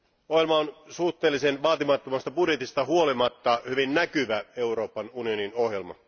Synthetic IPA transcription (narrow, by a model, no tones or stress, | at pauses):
ohjelmɑonsuht̪ːˑe̞ːlːisenʋɑːt̪imɑt̪ːomɑst̪ɑbudje̞t̪ist̪ɑɦuolimɑt̪ːɑhyʋinnækyʋæe̞uro̞ːpɑnunio̞nino̞hjelmɑ̰